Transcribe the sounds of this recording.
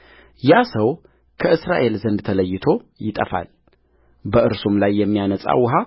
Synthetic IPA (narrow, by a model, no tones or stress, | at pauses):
jasəw | kʰəʔɨsɾaʔe̞lzənd̪t̪ʰələjːɪt̪ʰo̞jɪt̪ʼə̰fa̰l | bəʔɨɾsumlajːɛmːijanəsʼa̰wːʊɦa